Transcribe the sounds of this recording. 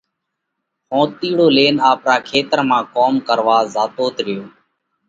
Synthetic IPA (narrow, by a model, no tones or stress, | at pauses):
hõːt̪iːɽoːleːnaːpɾaːkʰeːt̪əɾmãːkoːmkəɾʋaːzaːt̪oːt̪ɾɪjoː